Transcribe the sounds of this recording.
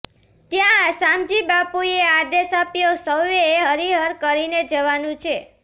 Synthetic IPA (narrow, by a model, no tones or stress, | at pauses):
t̪jãsamd͡ʒibapuead̪esapjosəwjeeɦəɾiɦəɾkəɾined͡ʒəʋanũt͡ʃʰe